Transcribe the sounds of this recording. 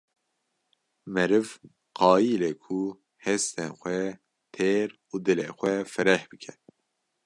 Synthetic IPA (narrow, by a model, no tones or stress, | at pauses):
mɛɾɨv | qʰɑːjileːkʰu | hɛst̪enxʷɛ | t̪ʰeːɾ | uːd̪ɨleːxʷɛfɨɾɛhb̥ɨkʰɛ